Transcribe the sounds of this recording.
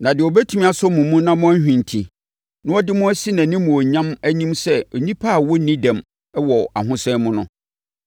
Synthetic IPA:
nã˨dɪ˨ɔ˨bɛ˦tʰu˦mĩ˦a˨sʊ˦mũ˨mũ˦nã˦mʊ̃˦æ˦hᶣĩ˨n˨tʰi˨ | nʊ̃˦ɔ˦dɪ˦mʊ̃˦æ˦si˦nã˨nĩ˦mũ˨ɔ˨ɲã˦mæ˦ɲĩ˦msɛ˦ɔ˨ɲĩ˦pʰa˦˨wɔ˦nĩ˦dã˨m | ɛ˦wɔ˨a̰˨ɦʊ̃˦sɛ˦mʊ̃˦nʊ̰̃˦

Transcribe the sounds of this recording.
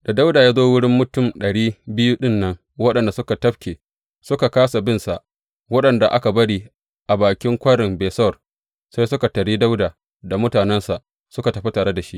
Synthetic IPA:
da˨da˦wdaː˨jaː˦zoː˦wʊ˦ɽɪ˦mːʊ˦tʊ˦˨mɗɐ˨ɽiː˦bɪ˦juː˦ɗɪ˦˨nːɐ˦ŋ | wɐ˦ɗɐ˨nda˨sʊ˦ka˨tɐ˦ɸkʲeː˨ | sʊ˦ka˨kaː˦sa˨bɪ˦˨nsa˨ʔ | wɐ˦ɗɐ˨nda˨ʔa˦ka˨bɐ˦ɽiː˦ | ʔa˨baː˨kʲɪ˦ŋkʷɐ˦ɽɪ˨mbeː˨sɐ˦wr | sa˦jsʊ˦ka˨tɐ˨ɽiː˦da˦wdaː˨ | da˨mʊ˦taː˨nɛ˦nsa˨ʔ | sʊ˦ka˨tɐ˨ɸe˦taː˨ɽe˦da˨ʃi˦ʔ

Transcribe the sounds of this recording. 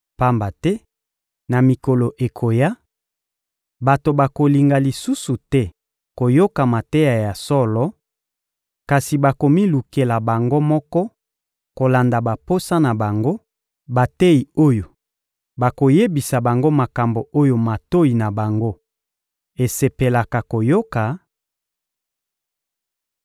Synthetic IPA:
pa˦mba˨tɛ˦ | na˨mi˨ko˨lo˨ʔe˨kʰo˨ja˦ | ba˨to˨ba˨ko˨li˨ŋɡa˨li˨su˦su˨tɛ˦ | ko˨jo˦ka˨ma˨te˦ja˨ja˨sɔ˦lɔ˨ | ka˨si˨ba˨ko˨mi˦lu˨ke˨la˨ba˨ŋɡo˦mɔ˦kɔ˦ | ko˨la˨nda˨ba˨po˦sa˦na˨ba˨ŋɡo˦ | ba˨te˦i˨o˦jo˨ | ba˨ko˨je˦bi˨sa˨ba˨ŋɡo˦ma˨ka˨mbo˨ʔo˦jo˨ma˨to˦i˨na˨ba˨ŋɡo˦ | e˨se˨pe˨la˨ka˨ko˨jo˦ka˨

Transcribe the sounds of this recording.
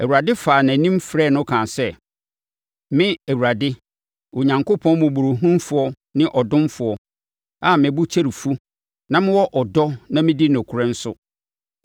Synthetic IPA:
æ˨wu˨ɾa˨dɪ˦faː˨nã˨nĩ˦m˦fɾɛ˦˨nʊ̃˦kʰã˨sɛ˦˨ | mɪ̃˦æ˨wu˨ɾa˨dɪ˦ | o˨ɲã˨ŋko˦pʰɔ̃˦nmʊ̃˨bu˨ɾu˨ɦũ˦nfʊ˨ɔ˦ | nɪ̃˦ʔɔ˨dʊ̃˦mfʊ˨ɔ˨ | a˦˨mɪ̃˨bu˦t͡ɕʰe˦ɾi˨fu˦ | nã˦mɪ̃˦wɔ˦ʔɔ˨dɔ˦nã˦mɪ̃˦di˦nɛ̃˨kʰʊ˨ɾɛ̃˦n̩˦sʊ̰˦

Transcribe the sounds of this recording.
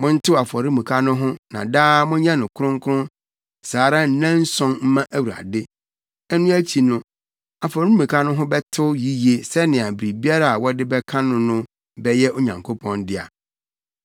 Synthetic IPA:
mʊ̃˦n̩˦tʰɪ˦˨a˨fɔ˨ɾi˦mũ˨kʰa˦nʊ̃˦ɦʊ̃˦nã̰˨daː˦mʊ̃˦ɲã˦nʊ̃˨kʰʊ˦ɾʊ̃˦ŋkʰʊ˦ʊ̃˦n | saː˨˦ɾa˦n̩˦nã˦n̩˦sɔ̃˦nm̩˦mã˦ʔæ˦wu˨ɾa̰˨dɪ˦ | ɛ˦nʊ̃˦æ˦t͡ɕʰi˨nʊ̃˦ | a˨fɔ˨ɾi˦mũ˨kʰa˦nʊ̃˦ɦʊ̃˦bɛ˦tʰʊ˦ji˦je˦sɛ˦nɪ̃˨a˨bɾi˨bi˦a˦ɾa˦˨a˨wɔ˦dɪ˦bɛ˦kʰã˦nʊ̃˦nʊ̃˦ | bɛ˦jɛ˦ʔo˦ɲã˨ŋkʰo˦pʰɔ̃˦ndɪ˦a̰˨

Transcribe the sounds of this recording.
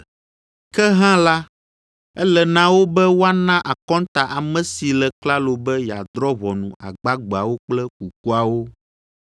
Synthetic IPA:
kɛ˦ɦã˦la˦ | ɛ˦lɛ˨nã˦wo˦bɛ˦wo˦a˦nã˦ʔa˨kɔ̃˦n˦t̪a˨ʔa˨mɛ̃˨si˨lɛ˨kla˦lo˨bɛ˦ja˨d̪ɾɔ˦βɔ˨nṵ̃˨a̰˨ɡ͡ba˦ɡ͡ba˨wo˦k͡plɛ˦ku˨k̚u˦a˨wo˦

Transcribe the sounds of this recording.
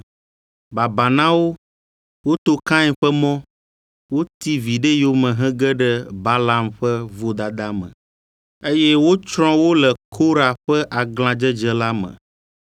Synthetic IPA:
ba˨ba˨nã˦wo˦ | wo˦t̪o˦kã˦ɛ˦ɸɛ˦mɔ̃˦ | wo˦t̪i˦vi˨ɖe˦jo˦mɛ̃˨ɦɛ̃˦ɡɛ˦ɖɛ˦ba˦la˦mɸɛ˦vo˦d̪a˨d̪a˦mə̰̃˨ | e˦jɛ˦wo˦t͡ʃɾ̃ɔ̃˦wo˦lɛ˨kʰo˦ɾa˨ɸɛ˦ʔa˨ɡlã˨d͡ʒə˦d͡ʒə˦la˦mə̰̃˨

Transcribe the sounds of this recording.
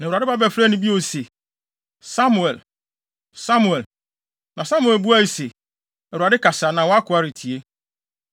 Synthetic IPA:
nã˨a˨dɪ˦ba˦bɛ˨fɾɛ˦nʊ̃˦bi˦o˨se˨ | sa˦m˨ɛ˨l | sa˦mu˨ɛ˨l | nã˨sã˦mu˨ɛ˨lbu˦a˦i˨se˨ | ɛ˨wu˨ɾa˨dɪ˦ka˨sa˨nã˨wɔ˦a˦kʰʊ˨a˦ɾɪ˨tʰi˨e˦

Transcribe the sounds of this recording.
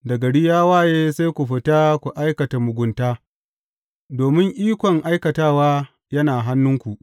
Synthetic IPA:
dɐ˨ɡɐ˨ɽiː˦jaː˦waː˦˨jeː˦sa˦jkʷu˨ɸɪ˨ta˦kʷu˨ʔa˦jkɐ˨ta˨mʊ˨ɡʷʊ˨˦ntaː˦ | doː˨mɪ˦ŋʔiː˦kʷɔ˨ŋʔa˦jkɐ˨taː˦waː˦ | jɐ˦naː˨ɦa˦nːʊ˦ŋkʷu˨ʔ

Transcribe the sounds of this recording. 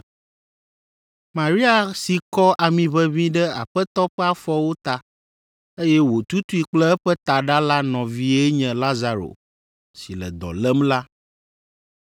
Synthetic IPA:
mã˨ɾi˦a˨si˨kɔ˦ʔa˨mĩ˨βɛ˦βĩ˦ɖɛ˦a̰˨ɸɛ˦t̪ɔ˦ɸɛ˦a˦fɔ˦wo˦t̪a˦ | e˦jɛ˦wo˨t̪u˦t̪u˦i˦k͡plɛ˦ɛ˦ɸɛ˦t̪a˨ɖa˦la˦nɔ̃˨vi˦e˦ɲɛ̃˨la˦za˨ɾo̰˨ | si˨lɛ̰˨d̪ɔ̰˨lɛ˦mla˦

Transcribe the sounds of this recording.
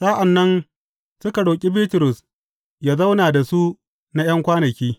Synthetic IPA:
saː˦ʔa˨nːɐ˦n | sʊ˦ka˨ɽoː˨kʲʼi˦biː˦tʊ˨ɾʊ˨s | jaː˦za˦wnaː˨da˨su˦ | na˦j̰ɐ˦ŋkʷaː˦nɐ˨kʲiː˦

